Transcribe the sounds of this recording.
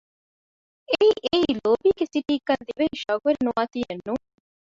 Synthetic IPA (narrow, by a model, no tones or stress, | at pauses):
eiʔeiloːbiːɡesiʈiːkːɐnd̪iʋɐiʃɐɡuʋɐɾinuʋaːt̪ijenːuŋ